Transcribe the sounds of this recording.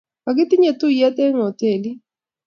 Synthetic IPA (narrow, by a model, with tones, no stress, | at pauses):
ka˨ɡɪ˦t̪ɪ˦ɲe˨t̪ʊ˦ja˦t̪e˦ŋo˨te˨li˦